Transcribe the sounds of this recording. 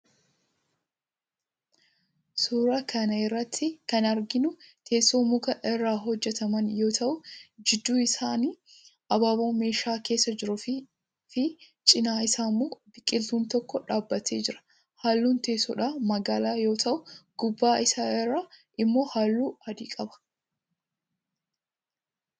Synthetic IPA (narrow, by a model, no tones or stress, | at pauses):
suːɾɐkʰɐnɐɪrːɐt̪ʰːɪkɐnɐɾɡɪnʊt̪ʰe̞ːsoːmʊɡɐʔɛrːaːɦɔd͡ʒːɛt̪ɐmɐnjo̞ːt̪ʰɐʔʊd͡ʒɪd̪ːuːɪsaːniː | ʔɐbaːboːme̞ːʃaːke̞ːsːɐd͡ʒɪɾʊf | fɪ | t͡ʃʼɪnaːɪsaːmːoːbɪkʼːɪlt̪uːnt̪ɔkːɔᶑaːbːɐt̪ʰe̞ːd͡ʒɪɾɐ̥ | haːlːuːnt̪e̞ːsoːᶑaːmɐɡaːlaːjo̞ːt̪ʰɐʔʊɡ̥ʊbːaːɪsaːɪrːaːʔɪmːo̞ːhaːlːuːɐd̪iːkʼɐbɐ̥